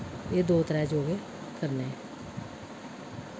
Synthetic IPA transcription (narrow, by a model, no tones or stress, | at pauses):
eːd̪oːt̪əɾɛːd͡ʒoːɡe | kəɾneɛ